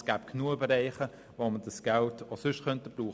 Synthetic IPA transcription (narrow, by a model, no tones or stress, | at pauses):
sɡ̥æːpknuəbɛɾɛɪχə | ʋomədɑsɡ̥ɛltʰosʏʃχœntəb̥ɾuː